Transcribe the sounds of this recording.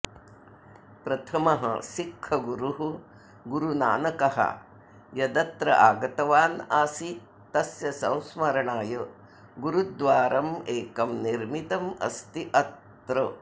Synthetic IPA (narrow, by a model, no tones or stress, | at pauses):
pɾɐt̪ʰɐmɐɦɐ̰sikʰːɐɡuɾuɦu | ɡuɾuna̰ːnɐkɐɦɐ̰ | jɐd̪ɐt̪ɾɐ̰ʔaːɡɐt̪ɐʋaːnaːsi | t̪ɐsjɐsɐ̃w̃smɐɾɐɳaːjɐ | ɡuɾud̪ʋaːɾʔɐmeːkɐmniɾmit̪ɐmɐ̰st̪iʔɐt̪ | ɾɐ